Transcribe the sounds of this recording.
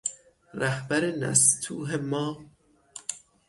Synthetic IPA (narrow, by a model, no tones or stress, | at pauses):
ɾæhbæɾenæ̰st̪ʰuːɦemɒː